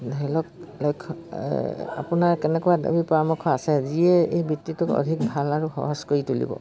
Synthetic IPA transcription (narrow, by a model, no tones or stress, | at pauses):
dʱɔilɔklojkʰ | a̰pʊnaɹkɛnɛkuada̰bipɔɹamɔkʰɔasɛziɛḛjbitːitʊkɔ̰dʱik̚bʱalaɹuxɔ̰ɦɔskoɹitulḭbɔ̰